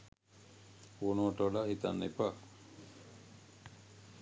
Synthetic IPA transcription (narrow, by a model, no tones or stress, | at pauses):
oːnoʈəlahit̪anːepa